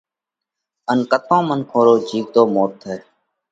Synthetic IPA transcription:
ənkət̪õːmənkʰoːɾoːd͡ʒiːɡ̚t̪oːmoːt̪ʰːeː

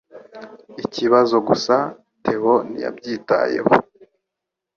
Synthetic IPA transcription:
iciβazo̞ɡusa | tʰe̞honḭja̰bɟiːta̰je̞̰ho̰

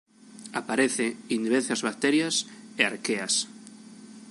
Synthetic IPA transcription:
apaɾeθeind̪iβeθazβak̚t̪eɾjaseaɾkeas

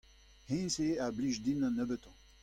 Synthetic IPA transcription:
hẽnseabliʒd̪inãnəbət̪ɑ̃

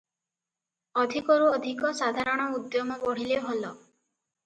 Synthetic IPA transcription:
ɔd̪ʱikɔɾuɔd̪ʱikɔsad̪ʱaɾɔɽ̃ɔud̪jɔmɔbɔɽ̤ileɦolɔ

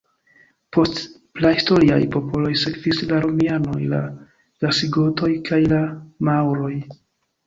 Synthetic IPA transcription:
po̞st | plahisto̞ɾia̰jpo̞po̞lo̞jse̞kvislaɾomiano̞jla̰ | ɡ̥asiɡo̞to̞jkʰajlamawɾo̞j

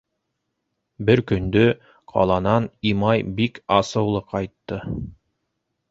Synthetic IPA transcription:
bɘɾkɵ̆nd̪ɵ | qʰɑ̰lˠɑnɑnimɑjbikɑsɤ̆wlˠɤqʰɑjt̪ːɤ

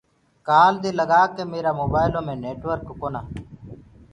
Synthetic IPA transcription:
kaːld̪iːləɡaːkeːmeːɾaːmoːbaːɪlõːmẽːneːʈʋəɾkːoːnaː

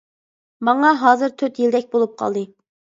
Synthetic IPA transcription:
mɑŋɑɦɑːzɨɾt̪ʰøt̪jild̪ɛk̚ʲbolˠup̚qʰɑ̰lˠd̪ɨ

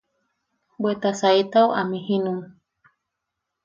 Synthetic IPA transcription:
bwet̪asait̪aoʔamĩhĩnũm

